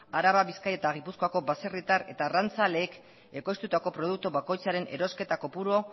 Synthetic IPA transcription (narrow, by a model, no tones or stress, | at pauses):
aɾaβaβiskaje̞t̪aɣ̞ipusko̞ako̞βase̞rit̪are̞t̪arant͡sale̞ːk | e̞ko̞jst̪ut̪ako̞pɾo̞ð̞uk̚t̪uβako̞jt͡saɾe̞ne̞̰ɾo̞ske̞t̪ako̞puɾo̞